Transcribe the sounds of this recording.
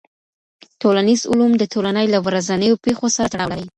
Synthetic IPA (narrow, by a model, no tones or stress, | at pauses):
tolanizʊ̰lumd̪ət̪olanəjlawɾazanəjopexosaɾat̪aɽa̰wlaɾəj